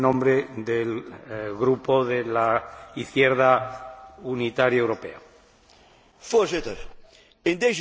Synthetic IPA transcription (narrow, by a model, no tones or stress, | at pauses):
nõmbɾeðelɣɾupoðelaiθjeɾða | unit̪aɾjaewɾo̞pe̞̰a | foɾset̪əɾ | end̪ez